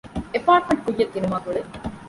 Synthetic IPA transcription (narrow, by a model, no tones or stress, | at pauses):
epaːʈ̚meɳʈ̚kujːɐt̪ːinumaːkuɭe